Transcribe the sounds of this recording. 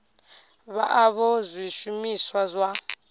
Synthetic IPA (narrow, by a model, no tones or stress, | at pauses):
βaʔaβɔzʷwiʃumiswazwa